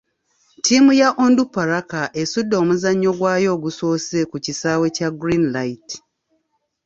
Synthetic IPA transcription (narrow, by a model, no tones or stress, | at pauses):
tʰiːmujaʔondupːaɾakaʔesudːo̞ːmuzaɲːo̞ɡwaːjo̞ːɡusoːsekucisaːwe̞caɡɾinlaiti̥